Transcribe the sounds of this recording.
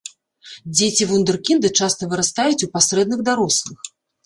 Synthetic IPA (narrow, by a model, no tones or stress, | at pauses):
d͡zʲet͡sʲivund̪ɛrkʲind̪ɨt͡ʂast̪ɐvɨɾast̪ajut͡sʲupasɾɛd̪nɨɣd̪aɾɔslˠɨx